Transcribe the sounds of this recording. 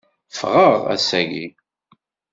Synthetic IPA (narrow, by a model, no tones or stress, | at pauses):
fʁəʁæ̰sæʝḭ